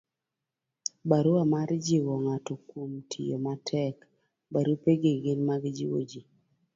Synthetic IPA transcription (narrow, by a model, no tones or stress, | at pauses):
baɾuamaɾd͡ʒiwɔŋatɔkwomtʰḭjo̰matʰɛk | baɾupeɡeɡenmaɡd͡ʒḭwo̰d͡ʒi